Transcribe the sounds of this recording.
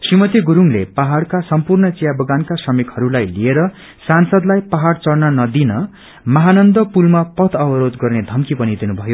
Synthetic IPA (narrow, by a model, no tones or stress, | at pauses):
srimʌt̪iɡuɾuŋlepaɦaɽkasʌmpurnʌt͡sijabʌɡankasʌmikhʌɾulajlieɾʌ | sansʌd̪lajpaɦaɽt͡sʌɽnʌnʌd̪inʌ | mʌɦanʌnd̪ʌpulmapʌt̪ʰʌbʌɾod̪ɡʌrned̪ʱʌmkipʌnid̪inubʱʌjo